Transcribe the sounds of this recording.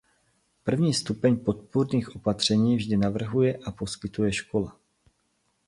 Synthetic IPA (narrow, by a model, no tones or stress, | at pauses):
pr̩vɲiːst̪upɛɲpo̞t̪̚puɾniːxʔo̞pat̪r̝̥ɛɲiːvʒdɪnavr̩ɦujɛʔapo̞skɪt̪ujɛʃko̞la